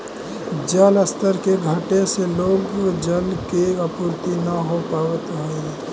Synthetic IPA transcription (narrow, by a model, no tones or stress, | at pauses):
d͡ʒələst̪əɾkeɡʱəʈeseloːɡd͡ʒəlkeəpuːɾt̪inəɦopaːʋət̪ɦəe